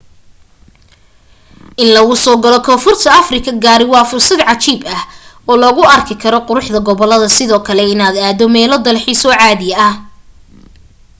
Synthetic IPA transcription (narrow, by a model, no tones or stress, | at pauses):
ʔɪnlɐɣʊsɔːɡɐlɔkʰɔːfʊrt̪ʰɐɐfrɪkʰɐɡaːɾɪwɑːfʊrsɐd̪ʕɑt͡ʃiːbɐh | ɔːlɔɣʊɐrkʰɪkʰɐɾɔqʊɾʊħd̪ɐɡɔβɔlːɐðɐsɪðɔːkʰɐlɛɪnaːd̪aːd̪ɔmɛːlɔd̪ɐlħiːsɔːʕaːðɪjɐɐh